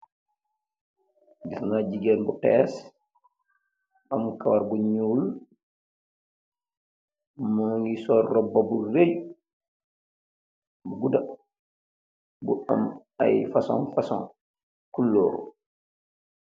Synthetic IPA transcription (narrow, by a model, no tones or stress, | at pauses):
bisŋaɟiɡɛːnbutɛːs | amkawaɾbuɲuːl | maŋɡisɔrːɔbːɐburej | buɡuda | bua̰m | a̰jfasɔ̰̃nfasɔ̰̃n | kulːɔ̰ːɾu